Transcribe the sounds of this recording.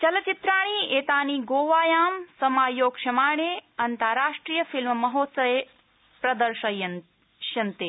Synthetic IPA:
t͡ʃɐlɐt͡ʃit̪ɾaːɽ̃iːeːt̪aːniːɡoːʋaːjaːmsɐmaːjoːɡʂɐmaːɳ̃eːɐnt̪aɾaːʂʈɾiːjɐfilmmɐɦoːt̪sɐʋe | pɾɐd̪ɐɾʃɐjɐn | ʃɐnt̪eː

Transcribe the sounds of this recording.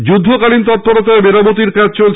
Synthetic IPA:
d͡ʑud̪ʱːokalint̪ɔt̪̚poɾot̪aebeɾabot̪̬iɾkad͡ʑt͡ɕolt͡ɕʰ

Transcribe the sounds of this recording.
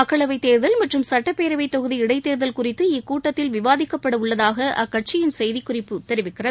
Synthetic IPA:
ɐkːɐɭɐʋɐɪt̪ːeːɾðɐlmɐʈrɯmsɐʈːɐpːeːɾɐʋɐɪt̪ɔɣɯðiɪɽɐɪt̪ːeːɾðɐlkʊrɪt̪ːɯɪkuːʈːɐt̪ːɪlʋɪʋaːðɪkːɐpːɐɽɐmʊɭːɐðaːɣɐʔɐkːɐʈ̚t͡ʃɪjɪnsɛjðɪkːʊrɪpːɯt̪ɛɾɪʋɪkːɪrɐðɯ

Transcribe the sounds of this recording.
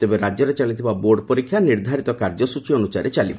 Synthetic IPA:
t̪ebeɾad͡ʒjɔɾet͡ʃalit̪ʰibaboɾɖpɔɾikʰːjaniɾd̪ʱaɾit̪ɔkaɾd͡ʒɔsut͡ʃiɔnusaɾet͡ʃalibɔ

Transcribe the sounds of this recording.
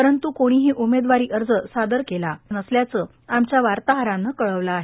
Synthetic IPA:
pəɾənt̪ukoɽ̃iɦiːʔumed̪ʋaɾiːʔəɾd͡zəsad̪əɾkelanəsljat͡səː | amt͡ɕjaʋaɾt̪aɦəɾãnːəkəɭəʋlaːɦe

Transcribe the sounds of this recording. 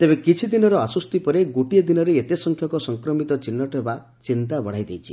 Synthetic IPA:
t̪ebekit͡ʃʰid̪inɔɾɔasɔst̪ipɔɾeɡoʈied̪inɔɾeːt̪esɔŋkʰjɔŋkɔsɔŋkɾɔmit̪ɔt͡ʃinːɔʈɔɦeba | t͡ʃint̪abɔɽ̤ajd̪ejt͡ʃʰi

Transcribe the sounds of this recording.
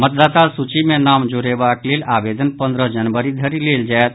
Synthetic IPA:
mət̪̚d̪at̪alsut͡ʃimenamd͡ʒoɾebaklelabed̪ʱənpə̃nd̪ɾəd͡ʒənbəɾid̪ʱəɾileld͡ʒaet̪̚

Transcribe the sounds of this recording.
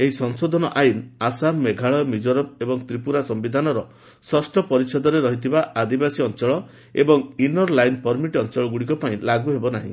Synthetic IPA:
eɦisɔŋsod̪ʱɔnɔʔajinasameɡʱaɭɔmid͡ʒɔɾɔb̚ebɔŋt̪ɾipuɾasɔmbid̪ʱanɔɾɔ | sɔsʈɔpɔɾisɔd̪ʱɔɾeɾɔɦit̪ʰibaʔad̪ibasiɔnt͡ʃɔɭɔ | ebɔŋinɔɾlajnpɔɾmiʈɔnt͡ʃɔɭɔɡuɽikɔpaĩlaɡuɦebɔnaɦḭ̃

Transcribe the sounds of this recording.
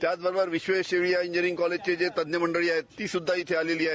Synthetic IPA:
t̪jad̪ʋəɾbəɾʋiʃʋeʃeʋɭijaĩɲd͡ʒəɾĩŋkɔled͡ʑt͡ɕed͡ʑet̪ɐd̪jəməɳɖəɭiaɦet̪ːiːsud̪ʱːait̪ʰealeliaɦe

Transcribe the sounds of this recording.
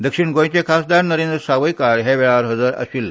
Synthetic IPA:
d̪əkʂiɳɡõj̃t͡ɕekʰasd̪aɾnəɾend̪ɾəsaʋəjkaɽɦeʋɛɭaɾɦəd͡zəɾə̰ɕiːl

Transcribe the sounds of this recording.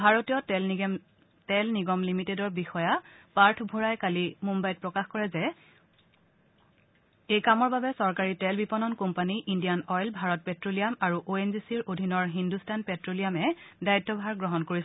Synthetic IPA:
bʱaɹotijɔ | tɛlniɡɔmlimitedɔɹbixɔjapaɹtʰbʱoɹajkalimumbajt̚pɹɔkaxkɔɹɛzɛ | ejkamɔɹbabɛsɔɹkaɹitɛlbipɔnɔnkɔmpaniʔindijanɔjlbʱaɹɔt̚pɛtɹolijamaɹuʔoenzisiɹʔodʱinɔɹɦindustanpɛtɹolijamɛdaitːɔbʱaɹɡɹɔɦɔnkoɹis

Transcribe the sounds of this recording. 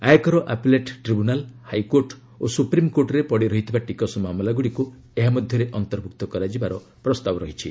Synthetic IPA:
ajekɔɾɔʔapleʈʈɾibunalhajkoɾʈ | osupɾimkoɾʈɔɾepɔɽiɾɔɦit̪ʰibaʈikɔsɔmamɔlaɡuɽiku | eɦamɔd̪ʱjɔɾeʔɔnt̪ɔɾbʱuk̚t̪ɔkɔɾad͡ʒibaɾɔ | pɾɔst̪abɔɾɔɦit͡ʃʰi

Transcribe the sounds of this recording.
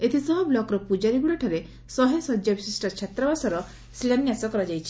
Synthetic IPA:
et̪ʰisɔɦɔblɔkɾɔpud͡ʒaɾiɡuɭɔʈʰɔɾe | sɔɦesɔd͡ʒjɔbisisʈɔɾt͡ʃʰat̪ɾɔbasɔɾɔ | silanjasɔkɔɾɔd͡ʒajt͡ʃʰi̥

